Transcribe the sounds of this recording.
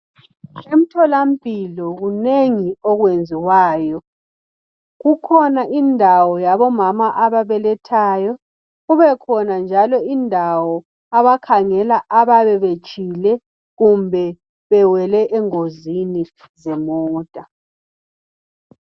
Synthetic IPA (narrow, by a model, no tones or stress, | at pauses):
em̩tʰɔlam̩pʼilɔɣuneŋiɔɣwend͡zʱiwaːjɔ | ɣukʰɔnaʔindʱawɔjaβɔmamaʔaβaβɛlɛtʰaːjɔ | ɣuβɛkʰɔnand͡ʒʱalɔindʱawɔ | aβakʰaŋɛlaʔaβaβɛβe̥ʒ̥ʱilɛ | ɣumbʱɛ | βɛwɛlɛʔɛŋozini | zɛmɔːd̥ʱʼa